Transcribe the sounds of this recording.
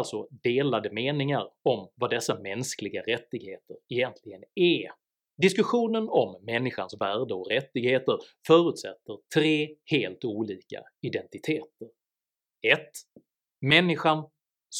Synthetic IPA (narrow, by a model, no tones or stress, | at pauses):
lt̪sɔd̪eːlad̪əmeːnɪŋaɾɔmvad̪ɛsːamɛnsklɪɡaɾɛt̪ːɪɡheːt̪əɾɛjɛnt̪ʰlɪɡənɛ | d̪ɪskɵɧuːnənɔmːɛnːɪɧansvæːɖəɔkɾɛt̪ːɪɡheːt̪əɾfœːɾʉ̟ːt̪sɛ̰t̪ːəɾtʰɾeːheːlt̪uːliːka̰ | ɪd̪ɛnt̪ɪt̪ʰeːt̪əɾ | ɛt̪ | mɛnːɪɧan | s